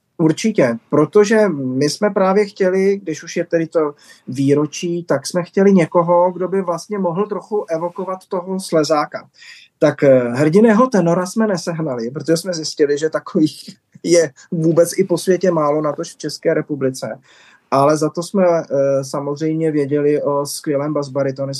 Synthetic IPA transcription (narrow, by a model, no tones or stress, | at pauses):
uɾt͡ʃɪcɛpɾo̞t̪o̞ʒɛmɪsmɛpɾaːvjɛxcɛlɪɡ̚dɪʃuʃjɛt̪ɛdɪt̪o̞viːɾo̞t͡ʃiːt̪aksmɛxcɛlɪɲɛko̞ɦo̞ɡdo̞bɪvlast̪ɲɛmo̞ɦl̩t̪ɾoxuʔɛvo̞ko̞vat̪ːo̞ɦoslɛzaːka | t̪akɦr̩ɟɪnɛːɦo̞t̪ɛno̞ɾasmɛnɛsɛɦnalɪpɾot̪oʒɛsmɛzɪscɪlɪʒɛt̪akoviːx | jɛ | vuːbɛt͡sʔɪpo̞svjɛcɛmaːlo̞nat̪oʃft͡ʃɛskɛːɾɛpublɪt͡sɛ̰ | ʔalɛzat̪o̞smɛsamozr̝ɛjmɲɛvjɛɟɛlɪʔo̞skvjɛlɛːmbazbaɾɪt̪onɪ